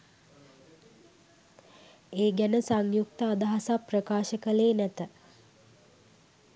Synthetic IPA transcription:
eːɡænəsaŋjukt̪əad̪aɦasaprəkaːʃəkəleːnæt̪ə

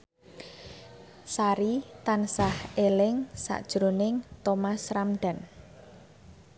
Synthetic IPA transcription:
saɾit̪ansahelɪŋsa̰ʔd̥ʒ̥ɾonɪŋt̪omasramɖ̥a̤n

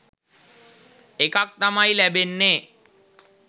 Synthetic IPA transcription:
ekak̚t̪amajlæbenːeː

